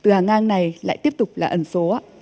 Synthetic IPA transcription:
t̪ɨ˨˩haː˨˩ŋʔaː˧ŋna˨˩jla̰ː˧˨jt̪i˦˥əp̚t̪ʊ˨˩k͡p̚laː˨˩ʔə˧˩nso˨˦ʔaː˨˧˦

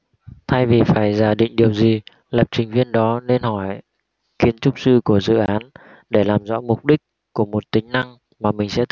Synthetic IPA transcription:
t̪ʰa˧jvi˨˩faː˧˩jzaː˧˩ɗḭ˧˨ŋ̟ɗi˨˩əwzi˨˩ | lə˨˩p̚t͡ɕï˨˩ŋ̟vi˧ənɗɔ˨˦ne˧nhɔ˧˩j | xi˨˦ənt͡ɕʊ˦˥k͡p̚sɨ˧ku˧˩əzɨ̰˧˨ʔaː˨˦n | ɗe˧˩laː˨˩mzɔ̰˧˥mʊ˨˩k͡p̚ɗï˦˥k̚ | ku˧˩əmo˨˩t̚t̪ï˨˦ŋ̟na˧ŋ | maː˨˩mï˨˩ŋ̟sɛ̰˧˥t̪

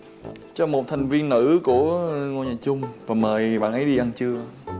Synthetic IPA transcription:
t͡ɕɔ˧mo˨˩t̚t̪ʰa˨˩jŋ̟vi˧ənːɨ̰˧˥ku˧˩əŋo˧˨jɲaː˨˩t͡ɕʊ˧ŋ͡mvaː˨˩məː˨˩jɓa̰ː˧˨nʔə˨˦jɗi˧ʔa˧nt͡ɕɨ˧ə

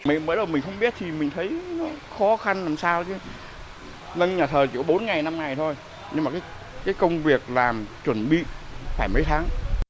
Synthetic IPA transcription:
mḭ˧˨məː˨˦˥jɗə˨˩wmï˨˩ŋ̟xə˧wŋ͡mɓi˦˥ət̚t̪ʰi˨˩mï˨˩ŋ̟t̪ʰə˨˦jnɔ˨˦xɔ˨˦xa˧nlaː˨˩msaː˧wt͡ɕɨ˨˧˦ | nə˧nɲaː˨˩t̪ʰəː˨˩t͡ɕi˧˩kɔ˨˦ɓo˨˦nŋa˨˩jna˧mŋa˨˩jt̪ʰo˧j | ɲɨ˧ŋ͡mmaː˨˩kaː˨˦j | kaː˨˦jkə˧wŋ͡mvi˨˩ək̚laː˨˩mt͡ɕwə˧˩nɓḭ˧˨faː˧˩jmə˨˦jt̪ʰaː˨˦ŋ

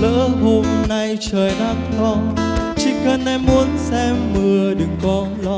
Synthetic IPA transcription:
lə̰ː˧˥ɦo˧mna˧jt͡ɕəː˨˩jɗaː˧ŋlɔ˧˦t͡ɕḭ˧˥kə˧˩nːa˧˩jmu˨˧˦ənsɛ˧mːɨ˨˩əɗɨ˨˩ŋkɔ˨˦lɔ˧

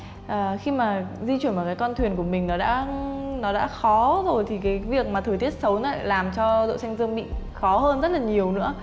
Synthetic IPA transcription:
ʔəː˨˩xi˧maː˨˩zi˧t͡ɕwi˧˩ənmaː˨˩kaː˨˦jkɔ˧nt̪ʰwi˨˩ənku˧˩əmï˨˩ŋ̟nɔ˨˦ɗa̰ː˧˥nɔ˨˦ɗa̰ː˧˥xɔ˨˦zo˨˩jt̪ʰi˨˩kaː˨˦jvi˨˩ək̚maː˨˩t̪ʰɨː˨˩t̪ʰi˦˥ət̚sə˨˦wnɔ̰˨˦˧laː˨˩mt͡ɕɔ˧zo̰˧˨sa˧ŋzɨ˧əŋɓḭ˧˨xɔ˨˦ɦəː˧nzə˦˥t̚laː˨˩ɲi˨˩əwnɨ̰˧˥ə

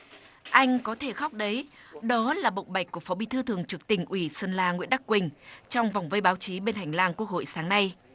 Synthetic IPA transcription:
ʔa˧jŋ̟kɔ˨˦t̪ʰe˧˩xɔ˦˥k͡p̚ɗə˨˦jɗɔ˨˦laː˨˩ɓə̰˧˨wŋ͡mɓa˨˩jk̟̚kːu˧˩əfɔ˨˦ɓi˧˩t̪ʰɨ˧t̪ʰɨ˨˩əŋt͡ɕɨ˨˩ək̚t̪ï˧˩ŋ̟ʔwi˧˩səː˧nlaː˧ŋwḭ˧˥ənɗ̪a˦˥kːwï˨˩ŋ̟t͡ɕɔ˧wŋ͡mva˨˩wŋ͡mvə˧jɓaː˨˦wt͡ɕi˨˦ɓe˧nhɦa˨˩jŋ̟laː˧ŋku˦˥ək̚ho̰˧˨jsaː˨˦ŋna˧j

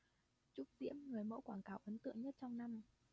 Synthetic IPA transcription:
t͡ɕʊ˦˥k͡p̚zḭ˧˥əmŋɨ˨˩əjmə̰˧˥kwaː˧˩ŋkaː˨˩wʔə˨˦nt̪ɨ̰˧˨əŋɲə˦˥t̚t͡ɕɔ˧wŋ͡mna˧m

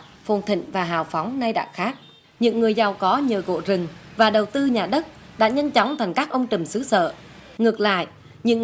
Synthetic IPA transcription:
fo˨˩nt̪ʰḭ̈˧˨ŋ̟vaː˨˩ɦaː˨˩wfɔ˨˦wŋ͡mna˧jɗa̰ː˧˨xaː˦˥k̚ | ɲɨ̰˧˥ŋːɨ˨˩əjza˨˩wkɔ˨˦ɲəː˨˩ɣo̰˧˨zɨ˨˩ŋvaː˨˩ɗə˨˩wt̪ɨ˧ɲaː˨˩ɗə˦˥t̚ | ɗa̰ː˧˥ɲə˧nt͡ɕɔ˨˦wŋ͡mt̪ʰa˨˩jŋ̟kaː˦˥k̚ʔə˧wŋ͡mt͡ɕɨ˨˩msɨ˨˦sə̰ː˧˨ | ŋɨ˨˩ək̚la̰ː˧˨j | ɲɨ̰˧˥ŋ

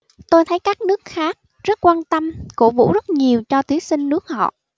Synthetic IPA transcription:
t̪o˧jt̪ʰə˨˦jkaː˦˥k̚nɨ˦˥ək̚xaː˦˥k̚ | zə˦˥t̚kwaː˧nt̪ə˧mkṵ˧˩vṵ˧˥zə˦˥t̚ɲi˨˩əwt͡ɕɔ˧t̪wi˨˦sï˧ŋnɨ˦˥ək̚hɔ̰˧˨

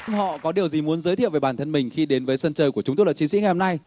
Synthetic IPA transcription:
hɔ̰˧˨kɔ˨˦ɗi˨˩əwzi˨˩mu˨˦ənzəː˨˦t̪ʰḭ˧˨wveː˨˧˩ɓaː˧˩nt̪ə˧nmï˨˩ŋ̟xi˧ɗe˨˦nvəː˨˦jsə˧nt͡ɕəː˧˩jku˧˩ət͡ɕʊ˨˦ŋ͡mt̪o˧laː˨˩t͡ɕi˨˦sḭ˧˥ŋ˨˩jho˧na˧j

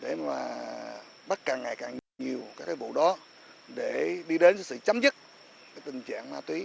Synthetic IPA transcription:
ɗe˧˩maː˨˩ | ɓə˦˥t̚kaː˨˩ŋːa˨˩jkaː˨˩ŋɲɲi˨˩əwkaː˨˦˥kːaː˨˦jvṵ˧˨ɗɔ˨˦ | ɗe˧˩ɗi˧ɗe˨˦nka˨˦sɨ̰˧˨t͡ɕa˨˦mzɨ˦˥t̚ | kaː˨˦jt̪ï˨˩ŋ̟t͡ɕa̰ː˧˨ŋmaː˧t̪wi˨˦

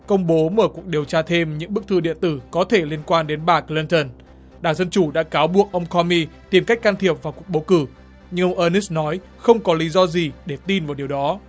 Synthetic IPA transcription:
kə˧wŋ͡mɓo˨˦məː˧˩ku˨˩ək̚ɗi˨˩əwt͡ɕaː˧t̪ʰe˧mɲɨ̰˧˥ŋɓɨ˦˥k̚t̪ʰɨ˧ɗḭ˧˨ənt̪ɨ˧˩kɔ˨˦t̪ʰe˧˩li˧ənkwaː˧nɗe˨˦nɓaː˨˩kli˧nt̪ə˧˩n | ɗaː˧˩ŋzə˧nt͡ɕu˧˩ɗa̰ː˧˥kaː˨˦wɓu˨˩ək̚ʔə˧wŋ͡mkʰɔ˧mi˧t̪i˨˩mka˦˥k̟kaː˧nt̪ʰi˨˩əp̚vaː˨˩wku˨˩ək̚ɓo˨˦kɨ˧˩ | ɲɨ˧ŋʔə˧wŋ͡mʔəː˧ni˦˥snɔ˨˦j | xə˧wŋ͡mkɔ˨˦li˨˦zɔ˧zi˨˩ɗe˧˩t̪i˧nvaː˨˩wɗi˨˩əwɗɔ˨˦

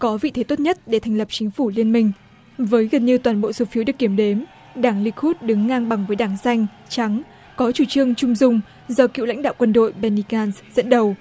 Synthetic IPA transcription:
kɔ˨˦vḭ˧˨t̪ʰe˨˦t̪o˦˥t̚ɲə˦˥t̚ɗe˧˩t̪ʰɛ˨˩jŋ̟lə˨˩p̚t͡ɕï˨˦ŋ̟fu˧˩li˧ənmï˧ŋ̟ | vəː˨˦jɣə˨˩nɲi˧əwt̪waː˨˩nɓo̰˧˨so˨˦fi˨˦wɗɨ˨˩kːi˧˩əmɗe˨˦m | ɗaː˧˩ŋli˨˧k̚hu˦˥t̚ɗɨ˨˦ŋːaː˧ŋɓa˨˩ŋvəː˨˦jɗaː˧˩ŋsa˧jŋ̟ | t͡ɕa˨˦ŋ | kɔ˨˦t͡ɕu˧˩t͡ɕɨ˧əŋt͡ɕʊ˧ŋ͡mzʊ˧ŋ͡m | zɔ˧kḭ˧˨wla̰˧˥ŋ̟ɗa̰ː˧˨wkwə˧nɗo̰˧˨jɓɛ˧ni˧ɣaː˧nszə̰˧˥nɗə˨˩w

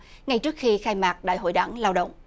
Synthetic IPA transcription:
ŋa˨˧jt͡ɕɨ˦˥ək̚xi˧xaː˧jmaː˨˩k̚ɗa̰ː˧˨jɦo̰˧˨jɗa˧˩˦ŋlaː˧wɗə̰˧˨wŋ͡m

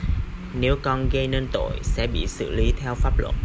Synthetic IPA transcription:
ne˨˦wkɔ˧nɣə˧jnəː˧nt̪o̰˧˨jsɛ̰˧˥ɓḭ˧˨sɨ̰˧˩˨li˨˦t̪ʰɛ˧wfaː˦˥p̚lwə̰˧˩t̚

